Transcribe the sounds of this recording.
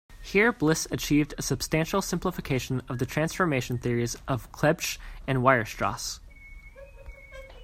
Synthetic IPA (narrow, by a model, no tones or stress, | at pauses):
hiɹblɪsɨt͡ʃʰivdɨsɨb̥stæ̃nʃl̩ˠsɪ̃mpləfɨkʰeɪʃnʌvðɨtʰɹ̥æ̃nsfə˞meɪʃn̩θɪɹizʔʌv̥kʰl̥ɛbt͡ʃɨ̃nwaɪə˞stɹ̥ɑ̰s